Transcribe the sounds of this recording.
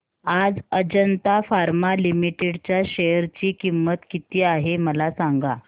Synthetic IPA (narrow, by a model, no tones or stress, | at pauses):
ad͡zəd͡ʑənt̪afaɾmalimiʈeɽt͡ɕjaɕəjəɾt͡ɕiːkimːət̪kit̪iːaɦeməlasaŋɡa